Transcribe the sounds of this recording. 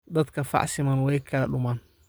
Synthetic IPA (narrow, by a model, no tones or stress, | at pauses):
dat̪kafa̰ʔsimanwajkalaɗuman